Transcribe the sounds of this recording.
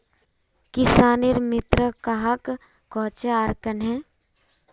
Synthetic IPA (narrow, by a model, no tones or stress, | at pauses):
kɪsaːniɾmɪt̪ɾəkaɦakː | ɔːt͡ʃeaːɾkənɦɛ̃ː